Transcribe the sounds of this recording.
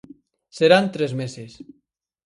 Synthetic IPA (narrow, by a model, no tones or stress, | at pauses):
seɾant̪ɾezmeses